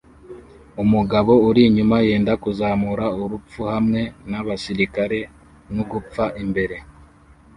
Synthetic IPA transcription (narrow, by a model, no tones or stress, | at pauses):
umuɡaβo̞uɾiɲumaje̞ːndakuzaːmuɾauɾup͡fuhamŋe̞naβasiɾikaɾe̞ | nuɡup͡faʔimbe̞ɾe̞